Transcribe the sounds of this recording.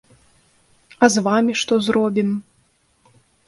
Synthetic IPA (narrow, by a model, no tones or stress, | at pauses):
ɐzvamʲiʂt̪ɔzrɔbʲim